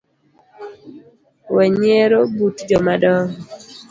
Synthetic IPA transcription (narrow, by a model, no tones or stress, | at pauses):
wɛɲeɾobutd͡ʒɔmadɔŋ